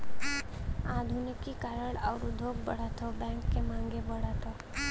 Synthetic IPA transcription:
ad̪ʱunɪkːikaɾəɽaʊɾud̪ʱoːɡ̚bə̰ɽat̪ʰobɛ̃ŋkːemãːŋɡebəɽat̪ʰo

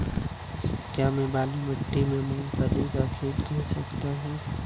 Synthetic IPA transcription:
kjaːmɛ̃baːlimɐʈːimẽmũːpəɾikakʰeːt̪kɛɾsɐkt̪aɦũː

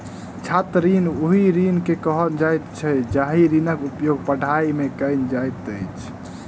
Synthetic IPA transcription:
t͡ʃʰat̪ɾinoɦiɾinkekəɦəd͡ʒajt̪t͡ʃʰɛd͡ʒaɦiɾinəkupjoɡ̚pəɽʱaimekəjnd͡ʒajt̪əjt͡ʃʰ

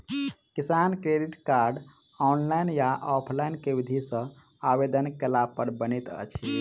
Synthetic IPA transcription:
kisankɾeɖiʈkaɾɖ | ɔnlajnjaʔɔpʰlajnkebid̪ʱisə̃ | abed̪ənkelapəɾbənit̪ə̰t͡ʃʰi

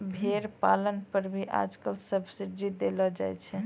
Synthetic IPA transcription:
bʱeɾpalənpəɾbʱiʔa̰d͡ʒkəlsəbsiɖid̪elɔd͡ʒajt͡ʃʰɛ

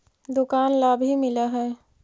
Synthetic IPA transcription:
d̪ʊkaːnlaːbɦimɪlaɦɛː

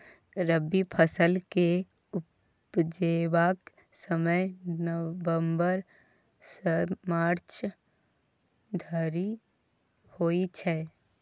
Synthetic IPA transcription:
ɾəbipʰəsəlke | ʊ | pd͡ʒeːʋaːk | səməjnəʋəmbəɾ | səmaːɾt͡ʃ | d̪ʱəɾi | hoːit͡ʃʰɛː

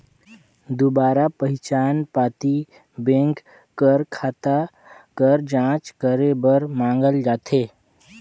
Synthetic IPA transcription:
d̪obaːɾapəɦɪt͡ʃaːnpaːt̪i | bẽːŋk | kəɾkʰaːt̪a | kəɾd͡ʒãːt͡ʃkəɾebəɾmãːŋɡəld͡ʒaːt̪eː

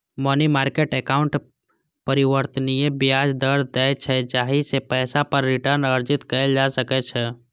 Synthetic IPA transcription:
mɔnimaːɾkeʈekaːʊ̃ɳʈ | pəɾiʋəɾt̪ənijebjjad͡ʒd̪əɾd̪ɛɛt͡ʃʰɛd͡ʒaːɦisepɛːsapəɾːɪʈəɾnəɾd͡ʒɪt̪kəld͡ʒasəkɛt͡ʃʰɛ

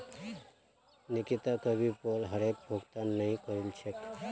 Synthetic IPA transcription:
nɪkit̪akəbʱipolɦəɾek̚bʱoɡt̪annːəɦĩkəɾilt͡ʃʰek

